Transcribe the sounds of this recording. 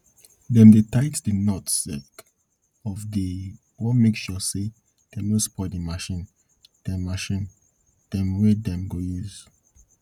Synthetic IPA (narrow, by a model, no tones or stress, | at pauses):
dɛ̃ndetaɪtdənɔtsɛk | ɔfdi | wɔmeksjɔse | d̥ɛnospʰɔdimaʃĩn | d̥ɛ̃maʃĩn | d̥ɛ̃mwɛdɛ̃mɡojuz̥